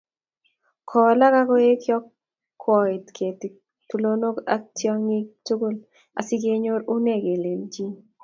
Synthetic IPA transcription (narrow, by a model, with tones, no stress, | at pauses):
kʰɔ˨la˦ka˦kɔ˦e˦kjɔ˦kʰː | ɔ˨ɪ˨tkʰe˨ti˨ | tu˨lo˦no˦ka˦tjɔ˦ŋŋi˦k̚tu˦ɡu˦l | a̰˨si˦ɡe˦ɲo˦ɾu˦ne˦˨ɡe˨le˨ld͡ʒi˦